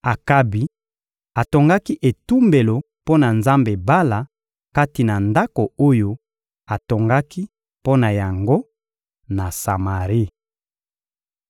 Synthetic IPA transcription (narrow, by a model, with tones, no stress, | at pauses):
a˨ka˦bi˨ | a˨to˨ŋɡa˦ki˦ʔe˨tu˦mbe˨lo˨ | po˦na˨nza˦mbe˨ba˦la˨ | ka˦ti˨na˨nda˦ko˨o˦jo˦ | a˨to˨ŋɡa˦ki˦ | po˦na˨ja˨ŋɡo˦ | na˨sa˨ma˨ʁi˦